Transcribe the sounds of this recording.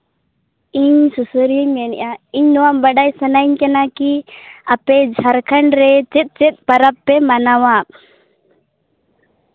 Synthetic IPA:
iɲsusəɾjəɲmɛnɛ̰ʔaiɲnɔwambəɖajsənaɲkanakiapɛd͡ʒʱaɾkʰaɳɾɛt͡ʃɛt̪̚ˀt͡ʃɛt̪̚ˀpaɾapːɛmanawaʔ

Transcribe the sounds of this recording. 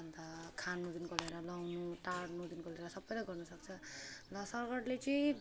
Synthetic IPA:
ʌnd̪akʰanud̪inkoleɾʌlʌwnuʈaɽnud̪inkoleɾʌsʌbːʌjɾʌɡʌrnʌsʌk̚t͡sʰʌlʌsʌrɡʌɽlet͡sʌj̃

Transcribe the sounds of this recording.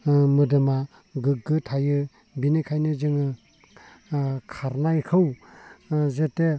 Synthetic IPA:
mɯdɯma | ɡɯɡɯtʰajɯ | binekʰajnɯzɯŋɯ | kʰaɾnajkʰɯw | zete

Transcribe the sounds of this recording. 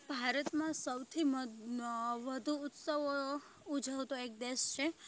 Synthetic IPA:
bʱaɾət̪mãsəwt̪ʰim | ʋəd̪ʱuːt̪səʋo | ud͡ʒʱəʋt̪oek̚d̪eʃt͡ʃʰe

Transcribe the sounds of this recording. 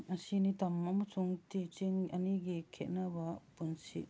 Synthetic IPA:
ɐsinit̪ɐmɐmusuŋtit͡ʃiŋɐniɡikʰet̚nabapunsḭt

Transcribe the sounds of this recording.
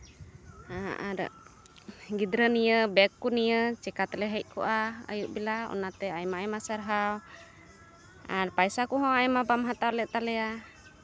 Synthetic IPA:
aʔaɾ̰ | ɡid̪ɾənijəbɛkːunijət͡ʃɛkat̪lɛɦəʔ̚ˀkʰɔ̰ʔaə̰juʔbilaɔ̰nat̪ɛajmaɛmasaɾɦaw | aɾpajsakɔɦɔ̃ajmabamɦat̪awlɛt̪alɛa

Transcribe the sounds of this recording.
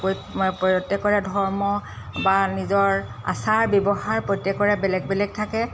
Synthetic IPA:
po | pɔtːɛkːɔɹɛdʱɔɹmɔ | banizɔɹ | a̰saɹbɔbɔɦaɹpɹojtːɛkːɔɹɛbɛlɛɡ̚bɛlɛɡ̚tʰakɛ

